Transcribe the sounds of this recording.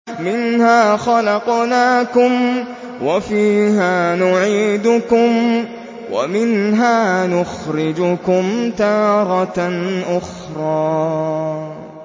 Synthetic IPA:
mɪnhaːxɑlɑqnaːkʊm | wafiːɦaːnʊʕiːd̪ʊkʊm | wa̰mɪnɦaːnʊxɾɪd͡ʒʊkʊmt̪ɑːɾˤɑʔʊx | ɾˤɑː

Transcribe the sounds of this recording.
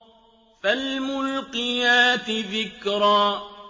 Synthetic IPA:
falmʊlqɨjaːt̪ɪðɪkɾɑː

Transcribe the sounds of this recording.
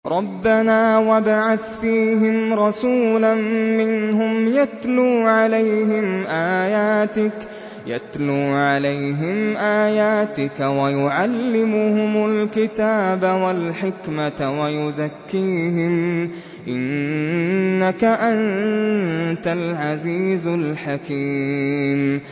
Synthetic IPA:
ɾˤɑbːanaːwabaʕaθfiːɦɪmɾˤɑsuːlanmɪnɦʊmjat̪luːʕalajhɪmʔaːjaːt̪ɪk | ja̰t̪luːʕalajɦɪmʔaːjaːt̪ɪkawajʊʕalːɪmʊhʊmʊlkɪt̪aːbawalħɪkmawajʊzakːiːɦɪm | ʔɪnː | akaʔan | t̪alʕaziːzlħakiːm

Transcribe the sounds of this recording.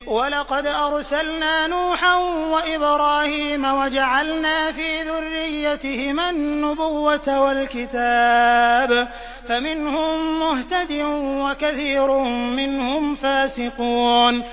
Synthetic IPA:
walɑqɑd̪ʔɑɾˤsalnaːnuːħanwaʔɪbɾaːhiːmawad͡ʒaʕalnaːfiːðʊrːɪjːat̪ɪhɪmanːʊbʊwːat̪walkɪt̪aːb | famɪnhʊmːʊht̪ad̪ɪwakaθiːɾʊmɪnhʊmfaːsɪquːn

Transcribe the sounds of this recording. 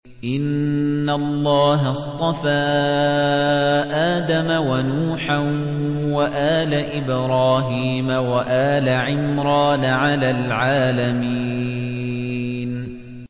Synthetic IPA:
ʔɪnːalˤːɑːɦɑst̪ˤɑfaː | ʔaːd̪amawanuːħan | waʔaːlaʔɪbɾˤɑːɦiːmawaʔaːlaʕɪmɾɑːnaʕalaːlʕaːlamiː | n

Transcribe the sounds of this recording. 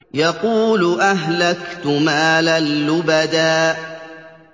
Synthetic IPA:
jɑquːlʊʔaɦlakt̪ʊmaːlalːʊbad̪aːʔ

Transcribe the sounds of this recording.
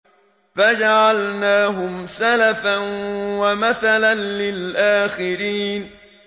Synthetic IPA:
fad͡ʒaʕalnaːɦʊmsalafanwamaθalanlɪlʔaːxɪɾiːn

